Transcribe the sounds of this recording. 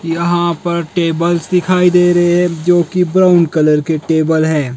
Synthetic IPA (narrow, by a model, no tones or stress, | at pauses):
kiɐɦãpɐɾʈeːbəlsd̪ɪkʰaːid̪eːɾɐɦeɦɛ̃d͡ʒoːkibɾaːʊnɖkɐləɾkeʈeːbəlɦɛ̃ː